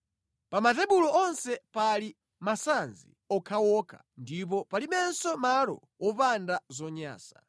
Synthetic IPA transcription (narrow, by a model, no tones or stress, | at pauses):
pamatɛɓulɔɔnsɛpali | masanzḭ | ɔkʰawɔkʰa̰ | ndip̬ɔpalimɛnsɔmalɔ̰ | wɔpandazɔɲa̰ːsḁ